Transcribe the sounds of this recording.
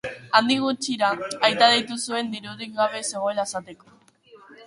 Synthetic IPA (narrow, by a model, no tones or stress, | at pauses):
and̪iɣ̞ut͡ʃiɾaajt̪að̞ejt̪usue̞nd̪iɾuðik̚ɡaβe̞se̞ɣ̞o̞e̞laesat̪e̞ko̥